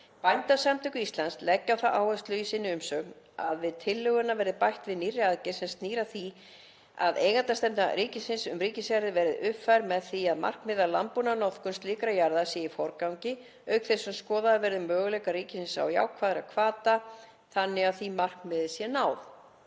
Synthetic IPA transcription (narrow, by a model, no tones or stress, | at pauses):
pajnt̪asamt̪ʰʏkʏist̪lanslɛcːawθaʔa̰ːwɛst̪lʏisɪnːɪʏmsœɣn | a̰ðvɪðt̪ʰɪlːʏɣʏnːavɛɾðɪpajht̪vɪðniːrɪaðcɛsɛnst̪niːɾaθi | a̰ðeːjɣat̪ast̪ɛmp̪na̰ɾiːcɪsɪnsʏ̰mriːcɪsjaɾðɪvɛːɾɪðʏpfajɾmɛðθiaðma̰r̥knmɪðala̰mpunanɔθkʏnst̪liːkɾajaɾðasjɛifɔɾkawɲcɪ | œɥkθesɛmskɔːðavɛɾðʏmːœːɣʏlɛkaɾiːcɪsɪnsa̰wja̰ːwkʰvaːðɪɾakʰvaːt̪a | θanːɪɣaθimar̥knmɪðɪsjɛnaːwð